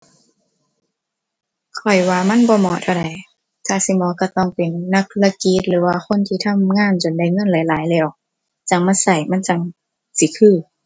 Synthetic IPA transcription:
kʰɔ˨˩jwaː˧ma˧˥˨nbɔː˧˦mɔː˧˦t̪ʰa˧˩wda˨˩j | t̪ʰaː˧˨si˧˦mɔː˨˦ka˧˩t̪ɔː˧˨ŋpe˨nːa˧˦k̚la˧ki˧˦t̪̚lɯː˨˦waː˧xo˧˥˨nt̪ʰiː˧t̪ʰa˧˥˨mŋaː˧˥˨nt͡ɕo˨nda˧˩jŋɤ˧˥˨nla˨˦jlaː˨˦jlɛː˧˩˨k̚ | t͡ɕa˧˩ŋma˧˥˨nsa˧˩jma˧˥˨nt͡ɕa˧˩ŋ | si˧˦kʰɯː˧˩˨

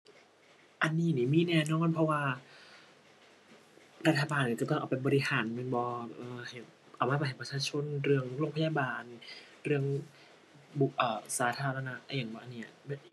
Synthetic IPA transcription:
ʔa˧nːiː˧˩˨niː˧˩miː˧˥˩nɛː˧˩nɔː˧˥˩npʰɔ˧˥waː˧ | ɾa˦˥t̪ʰːa˧baː˧nːiː˧˩kt̪ɔ˥˩ʔːpa˨˩jbɔː˧ɾi˧haː˩˦nmɯ˧˩˦bɔː˧ʔɤː˧˩he˨˩˦n | ʔa˨˩maː˧˥˩pa˧˩ɦe˨˦pɾa˧t͡ɕʰaː˧t͡ɕʰo˧˥˨nɾɯ˧˩əŋɾoː˥˧˨ŋpʰa˧jaː˧baː˨˧n | ɾɯ˥˧˩əŋ | bu˨˩ʔɤː˨˩saː˨˦t̪ʰaː˧ɾa˧na˦˥ʔʔa˧˩jaː˨˩ŋbɔ˧ʔa˨nːiː˧˥ɐ˨˩ma˧˩

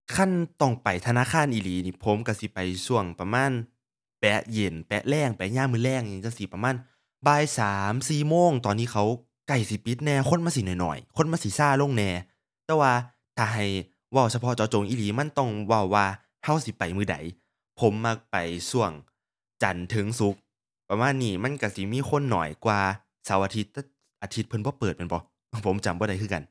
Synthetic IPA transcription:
kʰa˧˥˨nt̪ɔ˧˩ŋpa˨˩jt̪ʰa˧naː˧˥˨kʰaː˧˥˨nʔiː˨˧˨liː˨˦niː˧˩pʰo˨˦mka˧˩si˧˦pa˨˩jsu˧˩əŋpa˧maː˧˥˨n | pɛ˨˧˥je˨˩npɛ˨˧ʔlɛː˧˩ŋpɛ˨˧˥ɲaː˧˥˨mɯː˧˨lɛː˧˩˨ŋɲi˧˦t͡ɕa˧˨si˨˦pa˧maː˧˥˨n | baː˧˨jsaː˨˦msiː˨˩moː˧˥˨ŋt̪ɔː˨nːiː˧˥˨kʰa˧˦w | ka˧˩jsi˧˦pi˨˦t̪̚nɛː˧kʰo˧˥˨nmaː˧˥˨si˧˨˦nɔ˨jnɔ̰˨˩jkʰo˧˥˨nmaː˧˥˨si˨˦saː˧˩˨lo˧˥˨ŋnɛː˧ | t̪ɛː˧˩waː˧ | t̪ʰaː˨˩ɦa˧˨˩j | wa˧˩˨wsʰa˧pʰɔ˧˥t͡ɕɔ˧˥t͡ɕo˨˦ŋʔiː˧˩liː˨˦ma˧˥˨nt̪ɔ˧˩ŋwa˧˩wːaː˧ | ha˧˥˩wsi˧˦pa˨jmɯː˧˩da̰˨˦j | pʰo˨˦mːa˧˥k̚pa˨˩jsu˧˩əŋ | t͡ɕa̰˨˩nt̪ʰɯ˨˦ŋsu˧˦k̚ | pa˧maː˧˥˨nːiː˧˩ma˧˥˨nka˧˩si˨˧˦miː˧˥˨xʰo˧˥˨nːɔ̰ː˨˩jkwaː˧ | saː˨˦wʔa˧t̪ʰi˧˥t̪̚ːɛː˧˩ | ʔa˨˧t̪ʰi˦t̪̚pʰɤ˧nbɔː˧˦pɤː˨˩t̪̚pe˧˨bɔ˨˦˧ | pʰo˨˦mt͡ɕa˨˩mbɔː˧ɾa˨˦jkʰɯː˧˩˨ka̰˧˨n

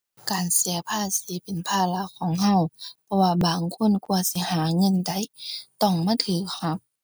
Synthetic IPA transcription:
kaː˨nsi˨˦ɐpʰaː˧˩siː˨˦pe˨npʰaː˧˩la˧˥˨kʰɔː˨˦ŋɦa˧˩˨wpʰɔ˧waː˧baː˨ŋkʰo˧˥˨nku˧ɐsi˧˦haː˨˦ŋɤ˧˨nda˨˦jt̪ɔ˧˩ŋmaː˧˥˨t̪ʰɯː˨˦k̚ha˧˥p̚

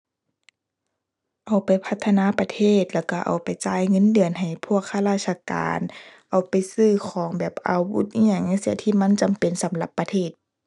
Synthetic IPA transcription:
ʔa˨˩wpa˨˩jpʰa˧t̪ʰːa˧naː˧˥˨pa˧t̪ʰeː˧˥˩t̪̚lɛː˧˩wka˧˩ʔa̰˨˩wpa˨˩jt͡ɕaː˧˩jŋɤ˧˥˨ndɯ˨ənɦa˨˩jpʰu˥˩˨ək̚ʰːa˧laː˧˩t̪̚sʰa˧ka̰ː˨nʔa˨˩wpa˨jsɯː˧˩kʰɔː˨˦ŋbɛː˨˩p̚ʔa̰˨˩wwṵ˧˥˩t̪̚hi˧˥ə˨ŋna˧˥˨si˧˩ət̪ʰiː˧˨ma˧˥˨nt͡ɕa˨mpe˨nsa˨˦mla˧˦pːa˧t̪ʰeː˧˥˩t̪̚

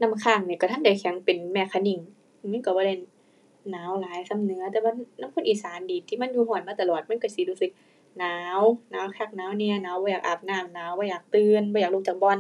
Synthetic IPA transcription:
na˧˥˨mkʰaː˧˩ŋni˧˩ka˧˩t̪ʰa˧˥˨nda˧˩jkʰɛ˨˦ŋpe˨nmɛː˧˩kʰa˧˩ni˧˩ŋ | ma˧˥˨ka˧˩bɔː˧a˧˩j | naː˨˦wlaː˨˦jsa˧˨mnɯ˨˦ɐ˧t̪ɛː˧waː˧˥˨naː˧˥˨mkʰo˧˥˨nʔiː˨˩saː˨˦ndiː˨˩t̪ʰːiː˧˩ma˧˥˨njuː˧ɦɔː˧˩nmaː˧˩t̪a˧˨lɔː˨˩t̪̚ma˧˥˨nka˧˩si˧˦luː˧˩sɯ˧˦k̚ | naː˨˦˨wnaː˨˦wkʰaː˧˩k̚naː˨˦wni˧ə˨naː˨˦wbɔː˧˨jaː˨˩k̚ʔa˨˩p̚naː˧˩˨mnaː˨˦wbɔː˧˨jaː˨˩k̚t̪ɯː˧˨nbɔː˧˨jaː˨˩luː˧˩k̚t͡ɕa˨˩k̚bɔː˧˨n

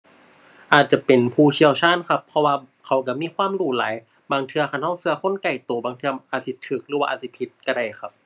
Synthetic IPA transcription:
ʔaː˨˩t̪̚t͡ɕa˧˩pe˨npʰuː˧˩t͡ɕʰi˧əwt͡ɕʰaː˧˥˨nkʰa˧˥pʰːɔ˧waː˧ | kʰa˨˦wka˧˩miː˧˥˨kʰwaː˧˥˨mɾuː˧˩laː˨˦j | baː˧ŋt̪ʰɯ˧ɐkʰa˧˩nha˧˥˩wsɯ˧ɐxʰo˧˥˨nka˧˩jt̪oː˨˩baː˨˧ŋt̪ʰɯ˧ɐʔaː˨˩t̪̚si˧˦t̪ʰːɯː˨˦k̚lɯː˦waː˧ʔaː˨˩t̪̚si˧˦pʰi˧˦t̪̚ka˧˩da˧˩jxʰa˧˩p̚

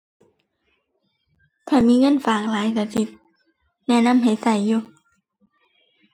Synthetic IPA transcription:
kʰaː˧˩miː˧˥˨ŋɤ˧˥˨nfaː˨˩ŋ̚laː˨˦jkʰaː˧˩si˧˦p̪̚ | nɛ˧˥˨na˧˥˨mɦa˨˩jsa˧˨˩jːuː˧˩

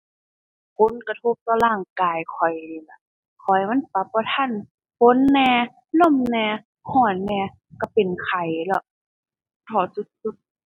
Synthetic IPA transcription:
kʰo˧˥˨nka˧t̪ʰo˧˦p̚t̪ɔː˧laː˧˩ŋkaː˨jkʰɔ˨˩jla˧˩ | kʰɔ˨˩jma˧˥˨npa˧p̚ːɔː˧˦t̪ʰa˧˥˨n | po˧˦˨nːɛː˧ | lo˧˥˨mnɛː˧ | hɔː˧˩nːɛː˧ | ka˧˩pe˨nkʰa˨˩jlɔ˧˩ʔ | t̪ʰɔː˧˩su˧˦t̪̚su˧˦t̪̚

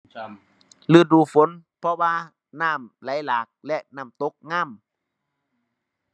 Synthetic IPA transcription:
lɯ˧˩˨duː˧˩fo˨˦npʰɔ˧waː˧ | naː˧˥˩mla˨˦jlaː˨˩k̚lɛ˧ʔnaː˧˩mt̪o˦˥k̚ŋaː˧˥˨m

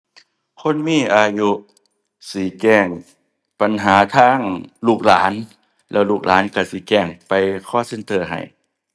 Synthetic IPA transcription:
kʰo˧˥˨nmiː˧˥˨ʔaː˧ju˧ʔ | si˨˦kɛː˧˩ŋ | pa˨nɦaː˨˦t̪ʰaː˧˥˨ŋluː˧˩k̚laː˨˦n | lɛː˧˩wluː˧˩k̚lʔaː˨˦nka˧˩si˧˨˦kɛː˧˩ŋpa˨jkʰɔː˧˥˨se˧˨nt̪ʰɤː˧˩ɦa̰˨˩j

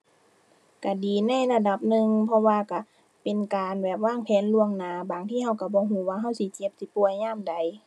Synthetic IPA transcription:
ka˧˩diː˨na˧˥˨jla˧da˧˦p̚nɯ˧ŋpʰɔ˧waː˧ka˧˩˨ | pe˨nkaː˨nbɛː˨˩p̚waː˧˥˩ŋpʰɛː˧˥˨nlu˧əŋnaː˨˦baː˨˩ŋt̪ʰiː˧˨ha˧˥˩wka˧˩bɔː˧˦ɦuː˧˦waː˧ɦa˧˥˨wsi˧˦t͡ɕe˧˦p̚si˧˦pu˧˩əjɲaː˧˥˨mda˨˦j

